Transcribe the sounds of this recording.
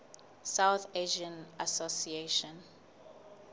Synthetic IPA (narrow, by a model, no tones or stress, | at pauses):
sawθeʒə̃nasosieʃɔ̃n